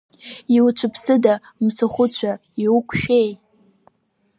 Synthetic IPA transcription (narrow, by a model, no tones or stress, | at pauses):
iwt͡ʃʷʰɨpʰsɨda | msaχʷʊt͡ɕʷʰaiwukʷʰʃᶣej